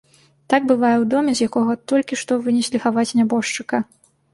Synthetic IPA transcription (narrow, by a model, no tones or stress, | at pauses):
t̪aɡbɨvajɛwd̪ɔmʲɛzʲjakɔɣɐt̪ɔlʲkʲiʂt̪ɔvɨnʲɛsʲlʲixavat͡sʲnʲabɔʂt͡ʂɨkɐ